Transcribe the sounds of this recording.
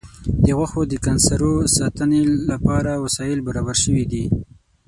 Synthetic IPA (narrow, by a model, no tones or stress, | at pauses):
d̪əɣwaxod̪əkansaɾosɑt̪ənelapɑɾawasɑjɪlbaɾɑbaɾʃəwid̪i